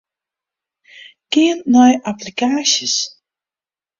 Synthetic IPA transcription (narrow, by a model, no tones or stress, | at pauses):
kɪənnɔjaplikaːsəs